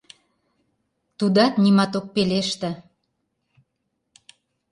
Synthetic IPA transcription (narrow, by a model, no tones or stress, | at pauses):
t̪ud̪ɑt̪nimɑt̪ok̚peleʃt̪ə̆